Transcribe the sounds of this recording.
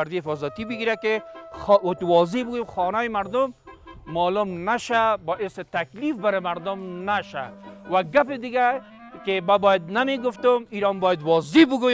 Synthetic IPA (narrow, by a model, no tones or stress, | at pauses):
aɾd̪ihɪfɔzat̪ibɪɡiɾakɪ | t̪wɔzebʊɡojemxɔnajɪmaɾd̪ʊmːɔlʊmnaʃabɔʔɪsɪt̪aklifbaɾɪmaɾd̪ʊmnaʃa̰waɡapɪd̪ɪɡa | kɪmbabɔjad̪nameɡʊft̪ʊmiɾɔmbɔjad̪wɔzebʊɡo